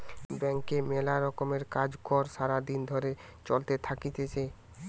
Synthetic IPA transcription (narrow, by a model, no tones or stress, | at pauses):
bɛŋkemelaɾɔkomeɾkad͡ʑkɔɾʃaɾad̪ind̪ʱoɾe | t͡ɕolt̪et̪ʰakit̪et͡ɕʰe